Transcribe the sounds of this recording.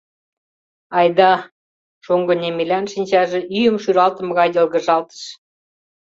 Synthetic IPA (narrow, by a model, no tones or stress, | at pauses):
ɑjd̪ɑ | ʃuŋɡə̆nʲemelʲænʃinʲt͡ɕɑʒĕʔyjə̆mʃyɾɑlt̪ə̆mə̆ɣɑjdə̆lɣə̆ʒɑlt̪ə̥ʃ